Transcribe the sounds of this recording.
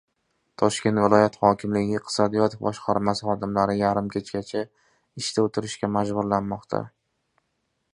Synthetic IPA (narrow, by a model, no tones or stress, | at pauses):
t̪ʰɒʃkʲe̞nt̪vɪlˠɒjat̪χɒkʲʰɪmlɪɡʲɪqʰɨ̥sɒd̪ijɒt̪ʰefbɒʃqʰɑɾmasɪχɒd̪ɪmlaɾɪjaɾɪmkʲʰet͡ʃkʲat͡ʃʰa | ɪʃt̪ʰaot̪ʰɪɾɪʃkʲamad͡ʒbʊɾlanmɒqt̪ʰa̰